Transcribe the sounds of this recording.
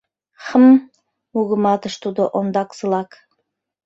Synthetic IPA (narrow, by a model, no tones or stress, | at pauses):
χəm | uɣə̆mɑt̪ɤ̆ʃt̪ud̪ɤ̆ʔond̪ɑksɤ̆lˠɑk